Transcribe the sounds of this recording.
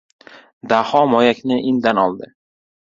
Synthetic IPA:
d̪ahɒmɒjakʲnɪʔɪnd̪anɒlˠd̪ɪ

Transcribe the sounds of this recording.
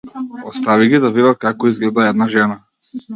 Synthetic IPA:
ɔst̪aviɡid̪avid̪at̪̚kakɔizɡlɛd̪aɛd̪naʒɛna

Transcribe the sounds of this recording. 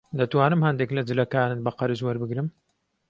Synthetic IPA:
d̪ɐt̪waːnɨmhɐnd̪eklɐd͡ʒɨlɐkaːnɨnbɐqɐɾɨzwɐɾbɨɡɾɨm

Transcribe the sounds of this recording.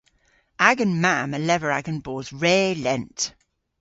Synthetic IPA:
aɡə̃nmaməlɛvəɹaɡə̃nbɔːzɹɛːlɛ̃nt

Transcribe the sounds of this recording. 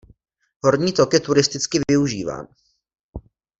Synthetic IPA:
ɦo̞ɾɲiːt̪okjɛt̪uɾɪst̪ɪt͡skɪvɪuʒiːva̰ːn

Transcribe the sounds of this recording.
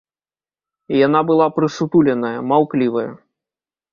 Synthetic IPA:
janabɨlˠapɾɨsut̪ulʲɛnɐjɐmawklʲivɐjɐ̰

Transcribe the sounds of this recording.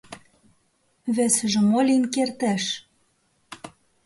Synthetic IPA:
βæsɘ̆ʒɘ̆molʲinkert̪æʃ

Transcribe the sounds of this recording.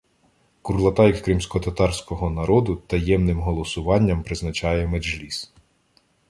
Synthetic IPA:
kurlˠɐt̪ɑjkkɾimsʲkɔt̪ɐt̪ɑrsʲkɔɦɔnɐɾɔd̪ʊt̪ɐjɛmnɪmɦɔlˠɔsʊʋɑnʲːɐmpɾɪznɐt͡ʃɑjɛmeʒlʲis

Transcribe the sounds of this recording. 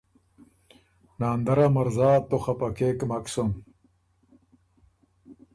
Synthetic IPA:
naːnd̪ɐɾamɐɾzaːt̪oχapɐkeːkmaksom

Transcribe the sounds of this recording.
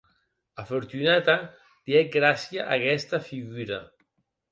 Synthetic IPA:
afoɾt̪unat̪a | d̪̥iɛɡɾasjaʔakɛst̪afiɣuɾa̰

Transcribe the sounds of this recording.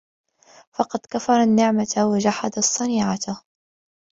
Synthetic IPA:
fɑqɑd̪kafɑɾˤɑnːɪʕmat̪awad͡ʒaħad̪asˤːɑniːʕat̪ʊ

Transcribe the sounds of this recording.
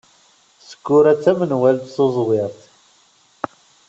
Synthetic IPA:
sə̥kːʊɾæt͡sːæmənwælt̪θozˤwɪɾˤθ

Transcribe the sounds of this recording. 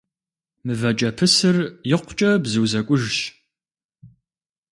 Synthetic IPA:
mɨvɐt͡ʃʼɐpʰɨsɨrjɪqʷʊt͡ʃʼɐbzɨwzɐkʷʼʊʒɕ

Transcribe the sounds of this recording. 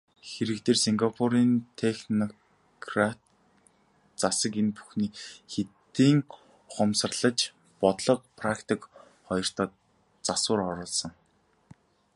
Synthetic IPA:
xeɾɘ̆k̚t̪ʰeːrsiŋɡapʰuɾiːnt̪ʰexnɔ | kʰrat̪ | t͡sasə̆kenpu̥xniːxet̪iːŋ | χɔms̆rɮə̆t͡ɕ | pɔt̪ɮɞ̆q̚pʰrakt̪ʰik | χɔjɞ̆r̥t̪ʰɔː | t͡sasʊːrɔɾɞːɮsɞ̆ŋ

